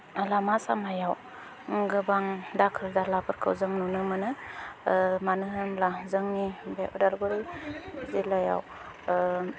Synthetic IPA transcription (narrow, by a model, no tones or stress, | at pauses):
alamasa̰majaw | ɡɯbaŋdakʰɯldalapʰɯɾkʰɯ̰wzɯŋnunɯmɯnɯ | manɯɦɯmlazɯŋnibeʔudalɡɔɾizilaja̰w